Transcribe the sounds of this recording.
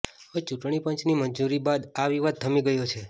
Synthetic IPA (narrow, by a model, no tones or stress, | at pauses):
ət͡ʃuʈɳ̃ipəɲt͡ʃniməɲd͡ʒuɾibad̪aʋiʋad̪̚t̪ʰəmiɡəjot͡ʃʰe